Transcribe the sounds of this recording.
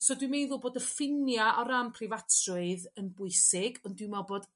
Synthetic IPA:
sodwimejðʊboːdəfɪnjaʔɔɾampʰrɪvatʰrʊɨðənbʊɨsɪɡɔndwɨmɔboːd̥

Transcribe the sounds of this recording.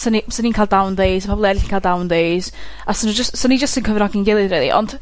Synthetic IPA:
sənisəniːnkʰalˠdawndejzpʰɔbɔlˠiɛdɪɬiːnkʰaːlˠdawndejz̥ | asənd͡ʒəstsənid͡ʒəstənkʰəvɾɔɡɪnɡɪlˠɨɾelˠḭʔɔ̰nd̥

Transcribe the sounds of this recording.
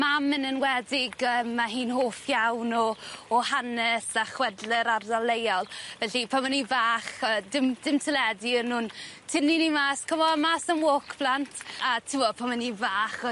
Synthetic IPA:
mamɪnənwɛdɪɡəːmːaɦiːnhoːfjawnɔːhanɛsaχwɛdlɪɾardalˠejalˠvɛɬipʰamənivaːχəːdɪmdɪmtʰəlɛdiənʊːntʰɪninimaːskʰɔvɔmaːsəmwoːkʰb̥ʰlantʰatʰɪwɔpʰamənivaːχɔ

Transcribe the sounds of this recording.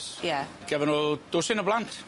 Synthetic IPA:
jaɡ̥ɛvənɔd̥ʊsɪnəblˠantʰ

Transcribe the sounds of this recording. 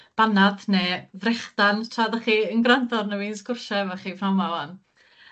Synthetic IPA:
b̥anadneːvrɛχd̥antʰradaχiːənɡrandɔrnəwiːnsɡʊrʃɛvaχiːvamawan

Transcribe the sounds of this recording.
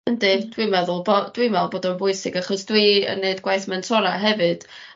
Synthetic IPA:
əndɨd̥wimɛðʊlˠbod̥wimɛðlˠboːdɔnbʊɨsɪɡaχɔsd̥wiə̰nːeɨdɡwajθmɛntʰɔlˠaɦɛvɨd̥

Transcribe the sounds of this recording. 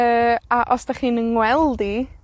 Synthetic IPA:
əːaʔɔsd̥aχiːnəŋwɛlˠdi

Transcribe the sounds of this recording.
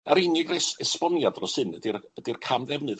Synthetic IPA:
aɾɪnɪɡrɛsɛspɔnjadrɔsɨndird̥irkʰamðɛvnɨð

